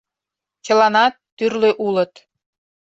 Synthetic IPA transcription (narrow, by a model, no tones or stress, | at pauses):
t͡ɕə̆lɑnɑt̪ːyrløʔulɤ̆t̪